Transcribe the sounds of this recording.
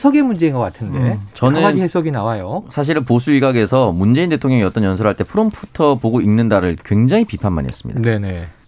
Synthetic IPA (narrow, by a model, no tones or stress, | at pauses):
sʰʌɡemund͡ʑe̞inɡʌk͈atʰɯnde̞t͡ɕʌnɯnihesʰʌɡinawajosʰaɕ̬ʰiɾposʰuiɡaɡe̞sʰʌmund͡ʑe̞inde̞tʰoŋɲʌŋiʌt͈ʌnjʌnsʰʌɾɦaɭt͈e̞pʰɯɾompʰutʰʌpoɡoinːɯndaɾɯɭkwe̞ŋd͡ʑaŋipipʰanma̰nḭɦḛs͈ɯ̥mɲḭdane̞ne̞